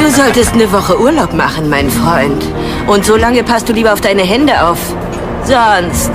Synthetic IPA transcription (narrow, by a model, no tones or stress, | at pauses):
d̥uːzɔltəstnəvɔχəʔuːɐlaʊpmaχn̩maɪnfʁ̥ɔʏnt | ʔʊntz̥oːlaŋəpʰast̚d̥uːliːbɐaʊfd̥aɪnəɦɛndəʔaʊf | z̥ɔnst